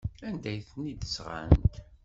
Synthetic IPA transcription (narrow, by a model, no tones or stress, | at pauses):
ænd̪æjθnid̪əsʁa̰nt̪